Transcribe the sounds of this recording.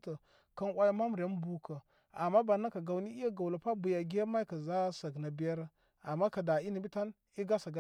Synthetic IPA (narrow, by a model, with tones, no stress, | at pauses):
tə˨ | ka˦nwʷa˦ja˦ma˦mu˨ɾa˦n˦bu˨kə˨ | a˨mːa˦ba˨na˦ka˨ɡa˨wni˦i˦ja˦ɡa˨wla˨pa˦bu˨ja˨ɡi˦a˦ma˦ka˨za˦sa˨ɡna˨bi˦ja˦ɾ | a˨mːa˦ka˨da˨i˦ni˨bi˦ta˦n | i˦ɡa˦sa˨ɡa˨